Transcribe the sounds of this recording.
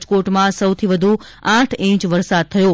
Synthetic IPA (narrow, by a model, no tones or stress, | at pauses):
d͡ʒkoʈmãsəwt̪ʰiʋəd̪ʱu | ãʈʰẽt͡ʃʋəɾsad̪̚t̪ʰəjo